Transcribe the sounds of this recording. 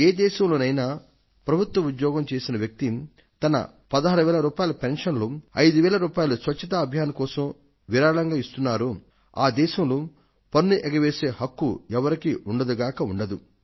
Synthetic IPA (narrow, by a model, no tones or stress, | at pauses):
eːd̪ɛːʃɐmloːnɐjnaː | pɾɐbʱut̪wʋɐud̪jɔːɡɐmt͡ʃeːsinɐʋjɐk̚t̪i | t̪ɐnɐ̰ | pɐd̪ɐɦaːɾuʋɛːɭɐɾuːpaːjɐlɐpenʂɐnloɐjd̪uʋɛːɭɐɾuːpaːjɐlusʋɐt͡ʃːɐt̪̬aːbʱjaːnɐkɔːsɐm | ʋiɾaːɭɐŋɡaːist̪unːaːɾu | a̰ːd̪ɛːʃɐmlu | pɐnːuʔɛɡɐʋeːse̞ːhɐkːuɛʋɐɾikiʔuɳɖɐd̪uɡaːkɐuɳɖɐd̪u